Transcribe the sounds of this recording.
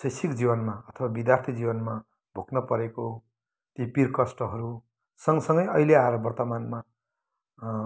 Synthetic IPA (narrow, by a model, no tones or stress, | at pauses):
sʌjsikd͡zibʌnmaʌt̪ʰʌbabid̪jart̪ʰid͡zibʌnma | bʱoknʌpʌɾeko | t̪ipirkʌsʈʌɦʌɾu | sʌŋsʌŋɡʌjʌɦileaeɾʌbʌrt̪ʌmanma